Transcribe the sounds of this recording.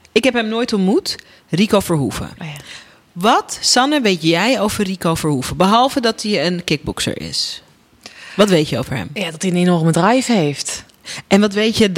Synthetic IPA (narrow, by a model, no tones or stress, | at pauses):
ɪkɦɛpɦɛmnoːjtɔmut | rikoːfəɹɦṵfə̰ | ʋɔtsɑnəʋejtjɛjowvərikowfəɹhuvəbəɦɔlˠvədɔtiənkɪk̚bʊksə̰ɹʔɪ̰s | ʋɔtʋejtjəo̰wvəɹɦɛ̰mjadɔtiənenɔrmədrajfheːft | ʔɛnʋɔtʋejtjə